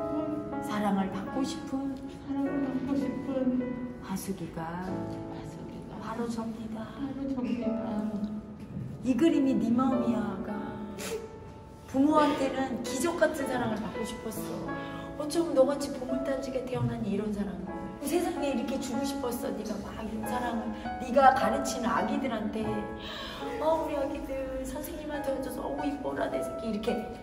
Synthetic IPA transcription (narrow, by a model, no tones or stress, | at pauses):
sʰaɾaŋɯɭpak͈oɕʰi̥pʰɯn | aɾaŋɯpakoɕipʰɯn | asʰuɡiɡa | asʰuɡḭɡaaɾod͡ʑʌmɲidaɾ | iɡɯɾiminimamiaɡa | pumoɦantʰe̞nɯnkid͡ʑʌk̚k͈atʰɯnsʰaɾaŋɯɭppʰɯɡoɕʰi̥pʰʌs͈ʌ | ʌnt͡ɕʰʌmɯnːʌɡat͡ɕʰipomuɭt͈ʰand͡ʑʰiɡeteʌnaɲiiɾʌnsʰaɾaŋio | sʰe̞sʰaŋe̞iɾʌkʰe̞t͡ɕuɡuɕʰi̥pʰʌs͈ʌniɡamaɡiɾʌnsʰaɾaŋɯnniɡakaɾɯt͡ɕʰinɯna̰ɡidɯɾɦantʰe̞ | ʌuɾiaɡidɯsʰad͡ʑʰeɲimat͡ɕʌd͡ʑʌsʌ̰ɡuip͈olːa̰desʰʌk͈eiɾʌkʰe̞